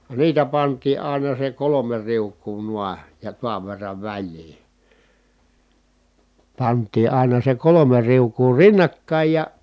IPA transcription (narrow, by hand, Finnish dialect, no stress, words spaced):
niːtæ pɑntˑiː ɑˑi̯nɑ se kolome riukˑuː nuɑ jɑ tuɑʋ ʋerːɑʋ ʋælʲliː pɑntˑiː ɑˑinɑ se kolome riukˑuː rinːɑkːɑˑij jɑ